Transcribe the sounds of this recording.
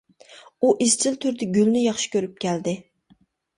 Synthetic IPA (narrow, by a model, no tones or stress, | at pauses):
uʔist͡ʃʰɪlt̪ʰyɾd̪ɪɡʲylnɪjɑχʃɪ̥kʲʰøɾyp̚kʲʰɛld̪ɪ